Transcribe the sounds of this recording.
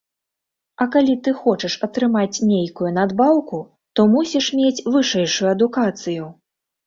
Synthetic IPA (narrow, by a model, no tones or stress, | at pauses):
ɐkalʲit̪ɨxɔt͡ʂɨʂɐt̪ɾɨmat͡sʲnʲejkujunad̪bawku | t̪ɔmusʲiʂmʲet͡sʲvɨʂɛjʂujuɐd̪ukat̪sɨju